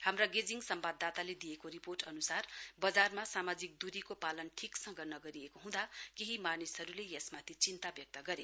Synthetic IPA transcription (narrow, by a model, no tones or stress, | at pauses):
hamraɡed͡ziŋsʌmbad̪ːat̪aled̪ijekoɾiporʈʌnusarbʌd͡zarmasamad͡zik̚d̪uɾikopalʌnʈʰiksʌ̃ŋɡʌnʌɡʌɾiekoɦũd̪akeɦimanisɦʌɾulejʌsmat̪ʰit͡sint̪abjʌk̚t̪ʌɡʌɾe